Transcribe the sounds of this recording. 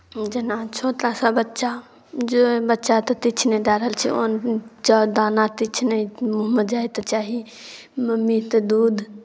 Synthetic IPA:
d͡ʒenat͡ʃʰoʈ̪ɾasabətːʃa | d͡ʒobətːʃat̪ɔt̪it͡ʃʰned̪aɾəɦəlt͡ʃʰḭont͡ʃad̪aːnat̪it͡ʃʰnemuɦəmːəd̪d͡ʒaːjt̪ɔt͡ʃaɦi | məmːit̪ɔd̪uːd̪

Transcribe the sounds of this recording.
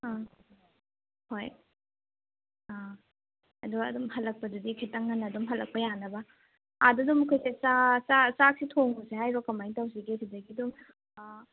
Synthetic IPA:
a | hoj | a | ɐ̰duɐ̰dumhɐlːɐk̚pɐdudikʰitɐŋːɐnːɐdumɦɐlɐk̚pɐjanɐbɐ | adudumɐkʰojsesasasak̚sitʰoŋusehajɾɔkɐmajŋtawziɡesʰidɐɡidum

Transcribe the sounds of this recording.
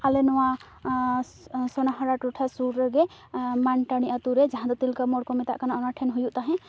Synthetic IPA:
alenuwa | sonaɦəɾaʈuʈʰasuɾɡemanʈəɽ̃iət̪uɾed͡ʒəɦãd̪ot̪ilkəmoɽkomit̪a̰ʔkənaːnəʈʰenɦujut̪aɦẽ

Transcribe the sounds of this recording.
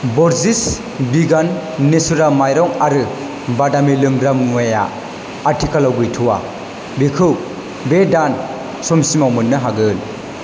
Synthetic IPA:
bɔɾzis | biɡanːesuɾamajɾɔŋaɾɯ | badamilɯŋɾamŋɔja̰ː | ɾtʰikalawɡɯjtʰuwa̰ | bikʰɯw | bedan | sɔmsimawmɯnːɯɦaɡɯn

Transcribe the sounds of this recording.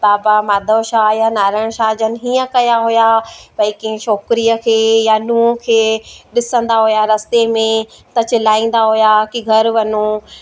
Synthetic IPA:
baːbamaːd̪ʱoːʃaːjanaːɾəɽ̃ʃaːd͡ʑənɪ̆ɦiːə̃kɐjaɦʊjapɐĩkĩʃɔːkɾiəkʰeːjanũːkʰeːɗɪsə̃nd̪aɦujaɾɐst̪emẽt̪ɐt͡ɕɪlaːĩːn̆d̪aɦʊjakiɡʱɐɾʋɐnu

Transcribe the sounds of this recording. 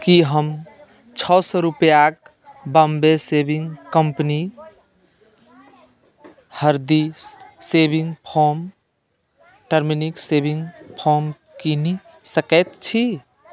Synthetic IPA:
kiɦəm | t͡ʃʰɔsɔɾupjak | bəmbesebiŋɡkəmpni | həɾd̪issebʱiŋɡpʰoɾm | ʈəɾminiksebiŋɡpʰɔɾm | kini | səkɛt̪t͡ʃʰi

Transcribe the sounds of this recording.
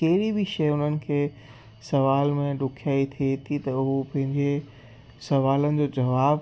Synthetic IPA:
kɐɦɪɾibiʃɐjʊn̤ənɪ̆kʰeː | sɐʋaːlmẽɖʊkʰjaːit̪ʰiet̪ʰit̪ɐʊɦopɐ̃ɦɪ̃ɲd͡ʑe | sɐʋaːlənɪ̆d͡ʑoːd͡ʑɐʋaː

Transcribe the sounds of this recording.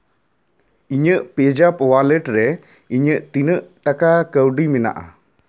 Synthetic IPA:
iɲəʔped͡ʒapwaləʈɾɛ | iɲəʔt̪inəʔʈakakəwɖimina̰ʔa̰

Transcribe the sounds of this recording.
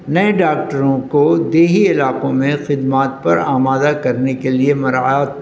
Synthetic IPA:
nɐẽɖaːk̚ʈəɾõkod̪eːɦiɪlaːqõmẽxɪd̪maːt̪̚pɐɾa̰ːmaːd̪akɐɾnekeliemɐɾa̰aːt̪

